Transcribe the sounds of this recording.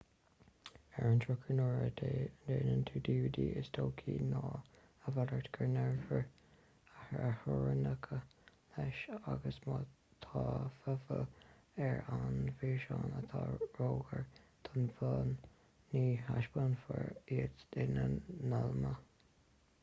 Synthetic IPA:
ɛɹənt̪ʰɹʊkʰənɔːɹəd̪ʰeːdeːnənt̪ʰuːd̪iːvd̪iːʔɪsdʰoːkʰiːnɑː | əvadəɹt̪ɡ̥əɹnɛɹvəɹ | ahahɔɹənəkʰəlɛʃaɡəsmɑt̪ʰɑːfəfə | ɛɹanviːʃɑːnət̪ʰɑːɹoːɡəɹt̪ʰənfənː | iːhaʃbənfəɹiətɪnənalmə

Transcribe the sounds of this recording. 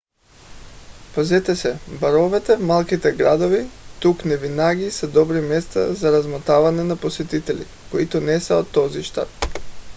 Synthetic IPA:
pazɛt̪ɛsɛbaɾɔvɛt̪ɛvmalˠkit̪ɛɡɾad̪ovit̪uknɛvinaɡisɛd̪ɔbɾimɛst̪a̰zaɾazmɔt̪avanɛnaposɛt̪it̪ɛlḭ | koit̪ɔnɛsɛot̪ːɔziʃt̪a̰t̪

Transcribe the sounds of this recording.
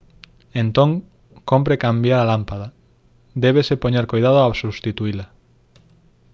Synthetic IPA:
ent̪oŋ | kompɾekambjaɾalampaða | d̪ɛβ̞esepoɲeɾkojðað̞oʊasust̪it̪uila

